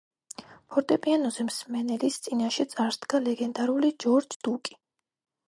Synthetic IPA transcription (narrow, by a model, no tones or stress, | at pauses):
pʰɔɾt̪ʼɛpʼianɔzɛmsmɛnɛlist̪sʼinaʃɛt̪sʼaɾd̪̥ɡalɛɡɛnd̪aɾulid͡ʒɔɾd͡ʒd̪̥ukʼi̥